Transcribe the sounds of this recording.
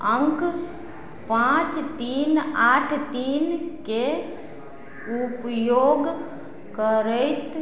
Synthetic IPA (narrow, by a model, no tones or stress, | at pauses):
əŋk | pãt͡ʃt̪iːnaʈʰt̪iːnke | upjoːɡ | kəɾəɪt̪